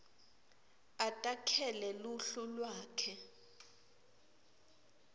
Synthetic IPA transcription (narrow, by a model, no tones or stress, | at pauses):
atʼakʰɛlɛluɬulwaːkʰɛ